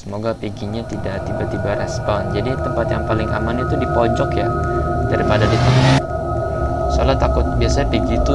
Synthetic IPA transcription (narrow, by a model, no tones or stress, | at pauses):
səmoɡapiɡiɲat̪idaʔt̪ibat̪ibaɾɛspɔnd͡ʒadit̪əmpat̪jaŋpalɪŋa̰manit̪udipɔɲd͡ʒɔkjadaɾipadadit̪əmpa | səalat̪akʊt̪̚biasaɲapiɡit̪u